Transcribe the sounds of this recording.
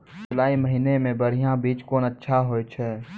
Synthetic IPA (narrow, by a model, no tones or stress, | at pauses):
ʊlaːiməɦinemẽbəɾ̤ijãbiːt͡ʃkoːnətːʃʰaɦoːjt͡ʃʰɛː